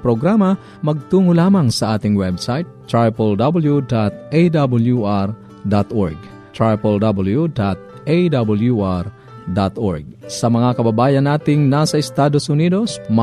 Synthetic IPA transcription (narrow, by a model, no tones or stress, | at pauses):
pɾoɡɾamɐ | mɐɡ̚t̪uːŋʊlaːmɐŋsɐʔaːt̪ɪŋwɛbsajt̪̚ːɹajpold̪abɐljud̪at̪̚ejd̪abɐljuʔaɾ | d̪at̪ʔoɹɡ̚ | t̪ɹajpold̪abɐljud̪at̪̚ | ejd̪abɐljuʔaɾ | d̪at̪ʔoɹɡ̚sɐmɐŋakɐbɐbaːjɐnːaːt̪ɪŋnasɐɪst̪aːd̪osʊniːd̪osm